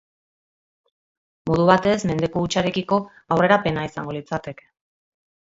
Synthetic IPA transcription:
mo̞ð̞uβat̪e̞sme̞nd̪e̞koːt͡ʃaɾe̞kiko̞ | awre̞ɾape̞naisa̰ŋɡolit͡sat̪e̞k

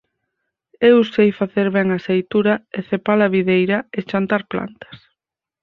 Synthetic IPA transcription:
ewusejfaθeɾβɛŋɐsejt̪uɾɐeθepalɐβiðejɾɐet͡ʃant̪aɾpla̰nt̪ɐ̥s

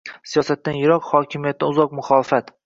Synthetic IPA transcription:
sijɒsat̪ːanjɪɾɒqhɒkʲʰɪmijat̪t̪ːanʊzɒq̚mʊχɒːlˠɪfat̪

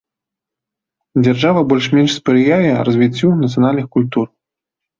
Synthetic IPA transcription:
d͡zʲarʐavɐbɔlʲʂmʲɛnʂspɾɨjajʲɛrɐzʲvʲit͡sʲːunɐt̪sɨjanalʲnɨxkulʲt̪ur

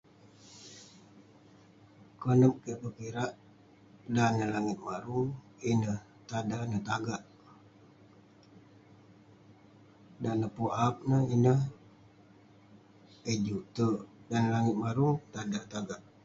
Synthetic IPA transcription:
kənəp̚kəbəkiɾaʔ | danəlaŋɪt̪̚maɾuŋ | inəh | t̪adanət̪aɡaʔ | danəpoʔap̚nəinə | əd͡ʒut̪ədanlaŋɪt̪̚maɾuŋt̪adat̪aɡaʔ

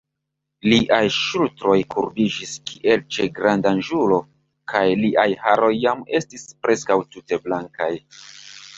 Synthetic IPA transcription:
liʔajʃultɾo̞jkʰuɾbid͡ʒiskʰiʔe̞lt͡ʃe̞ɡɾandanʒulo̞ | kʰajliʔajhaɾo̞jːame̞stispɾe̞skawtute̞blaŋkaj

